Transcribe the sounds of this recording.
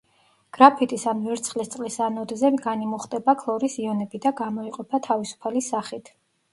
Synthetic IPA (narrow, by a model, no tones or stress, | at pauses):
ɡ̥ɾapʰit̪ʼisanvɛɾt̪sʰχlist̪sʼqʼlisanɔd̪zɛmɡanimɔχt̪ʼɛbakʰlˠɔɾisiɔnɛbid̪aɡamɔiqʼɔpʰat̪ʰavisu̥pʰalisaχit̪ʰ